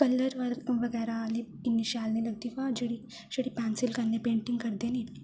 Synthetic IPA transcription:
kəlːəɾʋəɾʋəɡɛɾaːli | iniɕalnelɐɡt̪ikad͡ʒəɽi | ɕəɽipansilkanːepeɳʈiŋɡkəɾd̪eni

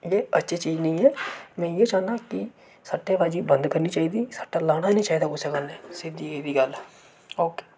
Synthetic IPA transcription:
jeːətːʃʰeːt͡ʃiːd͡ʒnəĩːɛːmɛ̃ːjeːt͡ʃaːnd̪ãːkɪ | saːʈːeːʋaːd͡ʒiːbənd̪kəɾniːt͡ʃaːiːd̪iːsḁːʈːaːlaːɽ̃aːnĩːt͡ʃaːiːd̪aːkosekənɛːsɪd̪iːeːd̪iːɡəlɛː | oːke̥ː

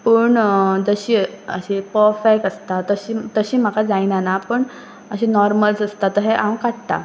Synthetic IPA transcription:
pəɳd͡zəɕiːə̰ɕipɔfɛkəst̪at̪əɕiːt̪əɕiːm̤akad͡zajnanapəɳ | əɕinɔɾməlsəst̪at̪əɦɛʔãwkaʈ̚t̪a̰

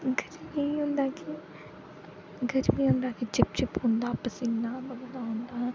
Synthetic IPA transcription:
ɡəɾmiɦʊ̃nd̪aːki | ɡəɾmĩːɦʊ̃nd̪aːkid͡ʒɪp̚t͡ʃɪpɦʊ̃nd̪aːpəsinaːbəɡd̪aːɦʊ̃nd̪aː

